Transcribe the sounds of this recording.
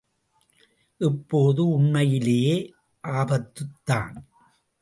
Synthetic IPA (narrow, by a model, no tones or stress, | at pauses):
ʔɛpːoːðɯʊɳmɐjɪlejeː | ʔaːbɐt̪ːɯt̪ːa̰ːn